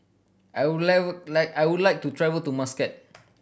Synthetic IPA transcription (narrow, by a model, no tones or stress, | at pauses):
ʔawudlalaɪkajwudlajk̚tutʰɹɛvəltumaskɛt̚